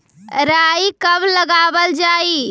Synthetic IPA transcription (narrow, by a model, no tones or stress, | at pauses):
ɾaːikɐbləɡaːʋəld͡ʒaːiː